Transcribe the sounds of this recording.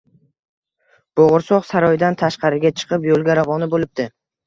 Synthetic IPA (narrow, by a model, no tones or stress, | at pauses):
b̥oʁʊɾsɒqsaɾɒjd̪ant̪ʰaʃqɑɾɪɡʲat͡ʃʰɨ̥qʰɨpjolˠɡʲaɾavɒnɪbolɪp̚d̪ɪ